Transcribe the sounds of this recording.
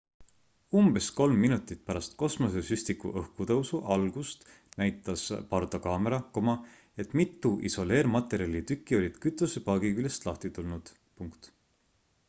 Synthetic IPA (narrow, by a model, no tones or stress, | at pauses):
umb̥e̞sko̞lmːinut̪ːˑit̪̚pæɾɑst̪ko̞smo̞s̬e̞sysʲt̪ikṵʔɤhkut̪ɤwsuʔɑlɡ̥ust̪ | næjt̪ːˑɑspɑrt̪okɑːmeɾɑko̞mɑ | e̞t̪ːˑmit̪ːˑuʔḭso̞le̞ːɾmɑt̪ːˑe̞ɾiɑlʲit̪ykːˑio̞lʲid̪̥kyt̪ˑːusepɑːɡ̥ikyljest̪lɑht̪it̪ulnud̪̥ | puŋkt̪